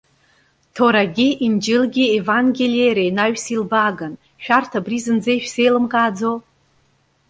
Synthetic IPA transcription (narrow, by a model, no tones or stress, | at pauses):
tʰoɾaɡʲɪʔind͡ʒɪlɡʲɪevaŋɡʲelejɾajnaɥsilbaɡan | ʃᶣartʰabrizɨnd͡zejʃᶣse̞jlɨmkʼaːd͡zo